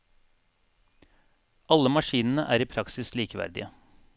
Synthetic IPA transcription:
ɑləmɑʃiːnn̩əʔæːɾiːpʰɾɑksɪsliːkəʋæ̰ɾd̪ɪ̰ə

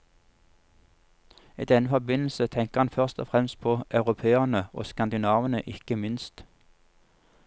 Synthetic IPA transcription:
ḭːd̪ɛnəfɔbɪnl̩sət̪ʰɛŋkəʁhɑnfœʁst̪ɔfʁɛmst̪̚pʰoʔɑʉʁʊpʰeːəʁnəʔo̰ːskɑnd̪ɪnɑːʋənə̰ʔɪkəmɪnst̪

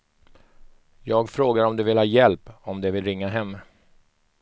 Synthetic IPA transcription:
jɑːɡfɾoːɡaɾɔmd̪ɛvɪlhɑːjɛlpɔmd̪ɛvɪlɾɪŋːaɦɛmː

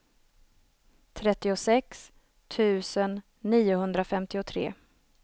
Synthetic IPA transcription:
t̪ʰɾɛt̪ːɪʊsɛks | t̪ʰʉ̟ːsənː | iːʊɦɵnd̪ɾafɛmt̪ɪʊt̪ʰɾḛː

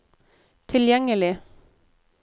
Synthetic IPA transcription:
t̪ʰɪljɛŋəlɪ

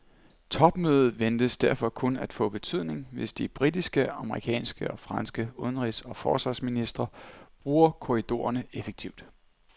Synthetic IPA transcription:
t͡sʰɒ̽b̥møːð̞̩ˠʋend̥əsd̥æɐfɒ̽kʰɔ̽næd̥fɔ̰̽ːb̥e̝t͡sʰyð̰ˠne̝ŋʋe̝sd̥ib̥ʁid̥isɡ̥əɑ̈məʁḭkʰɛ̰ːnsɡ̥əɒ̽fʁɑ̈nsɡ̥əoðˠən̩ʁisɒ̽fɒ̰ːsʋɑ̈sminisd̥ʁɐb̥ʁuːɐkʰo̝ʁid̥o̝̰ːɐnəefeɡ̥̚t͡sʰiʊd̥

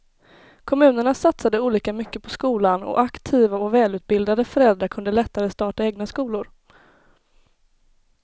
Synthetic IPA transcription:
kʰɔmʉ̟ːnəɳasat̪sad̪əuːliːkamʏkːəpʰɔskuːlanɔ̰ʔakt̪ʰiːvaɔvɛːlʉ̟ːt̪̚bɪld̪ad̪əfœɾɛld̪ɾaɾkʰɵnd̪əlɛt̪ːaɾəst̪ɑːʈaeːɡnaskuːlʊɾ

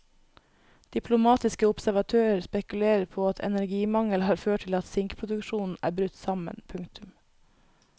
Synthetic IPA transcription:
d̪̥ɪpʰlʊmɑːt̪ɪskəʊpsæɾʋɑt̪ʰøːɾəɾspɛkʉleːɾəɾpʰoːɑt̪ʰɛ̰næɾɡiːmɑŋəlhɑːɾføːʈʰɪlɑt̪sɪŋkpʰɾʊd̪ʉkʃuːnn̩æ̰ːbɾʉt̪sɑmə̰npʰʉŋt̪ʰʉm

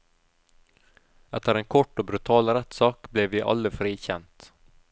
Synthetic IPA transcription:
ɛt̪ːəɾɛnkʰɔʈːɔbɾɵt̪ʰɑːlɾɛt̪ːsɑːkblɛvɪʔa̰lːəfɾiːçɛnt̪

